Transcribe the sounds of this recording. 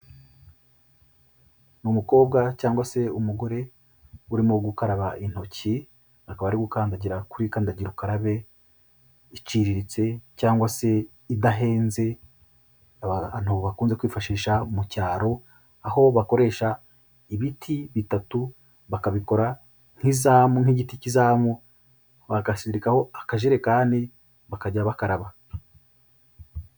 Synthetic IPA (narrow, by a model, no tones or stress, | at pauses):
numuko̞ːb̚ɡacaːŋɡwase̞umuɡo̞ɾe̞ | uɾimoɡukaɾaβaʔin̥ho̞ci | akaβaɾiɡukaːndaɟiɾakuɾikaːndaɟiɾukaɾaβe̞ | it͡ʃiɾiɾit͡se̞caːŋɡwase̞ | idaɦe̞ːnze̞ | anuβoβakuːnzekwiːfaʃiːʃamucaːɾo̞ | aho̞βako̞ɾe̞ːʃa | iβitʰiβitatu | βakaβiko̞ɾa | ŋ̥hizaːmuŋ̥hiɟiticizaːmu | βaɡasiɾikaho̞akaʒeɾe̞kaːni | βakaɟaβakaɾaβa